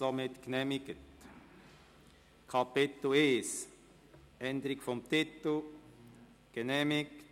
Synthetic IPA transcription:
omɪt̪knɛmɪɡ̥ət | kʰapɪt̪l̩eːs | ʔɛnd̪əɾɪkfɔmt̪ɪt̪l̩ | ɡ̥ənɛmɪk

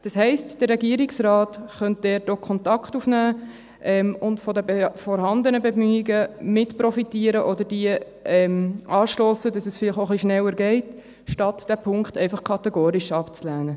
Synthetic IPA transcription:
d̥ɑshɛɪstd̥ərːɛɡiəɾiksɾɑːtχœnt̚d̥ɛːt̚okʰɔntɑkχtufnæː | ʔɛmʊntfɔdəbɛfɔɾɦɑndənəbɛmyːiɡəmɪtpɾɔfitiːəɾəʔɔdəɾd̥iə | ɛmʔɑːʃlɔːsədɑsɛsfɪlɪχoχliʃnɛwəɾɡɛɪt | ʃtɑtd̥æpʰʊŋkχtɛɪfɑχkʰɑtɛɡoːɾiʃɑpt͡slæːnə

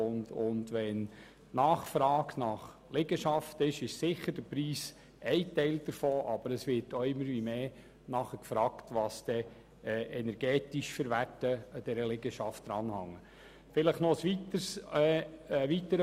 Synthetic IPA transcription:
ʊndʊndʋɛn | nɑːχfɾɑːknɑχ | lɪɡəʃɑftɪʃɪʃsɪχəɾd̥əpɾiːs | ɛɪtɛɪld̥əɾfoːʔɑb̥əɾəsʋɪɹtoɪmːəɾʋimeː | nɑχəkfɾɑːktʋɑːsd̪̥ɛ | ʔɛnɛɾɡ̥ɛːtiʃfəɾʋærtəəd̥ɛɾəlɪɡəʃɑft̚d̥̪ɾɑːnhɑŋːə | fɪləχnɔsʋitəs | ʋit̪əɾə

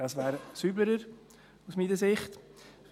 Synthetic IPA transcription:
ɑsvɛːɾsyːbləɾəɾ | usmiːnəsɪχt

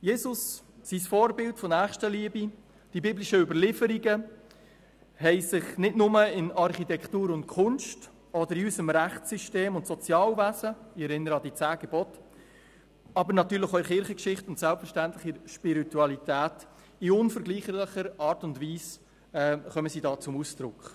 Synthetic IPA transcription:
jeːsʊs | sisfɔːɾbɪltfɔnæːχʃtəliəbi | d̥ibibliʃəʏbəɾlɪfəɾiɡə | hɛɪsɪχnɪdnʊməɪnɑɾχitɛktuːɾʊntkʰʊnʃt | ɔdəɾiysəmɾæχsyʃteːmʊntsɔt͡sjɑːlvæzəɪɛɾɪnːəɾəɑdit͡sæːɡ̥ɛbɔt | ɑbəɾnɑtyːɾləɪχɔɪɾχɪɾχəkʃɪχtʊntsælpfəɾʃtæntlɪχiɾʃpiɾituɑlitæːt | iʊnfəɾɡliːχələχəɾɑːɾtʊndviːs | ɛːχœməsidɑːt͡sʊmusd̥ɾʊ̰kχ

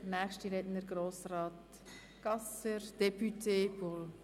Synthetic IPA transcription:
nɛːχʃtiɾɛdnəɾɡɾoːsrɑːt | ɡ̥ɑsəɾd̥ɛpytʰeːbol

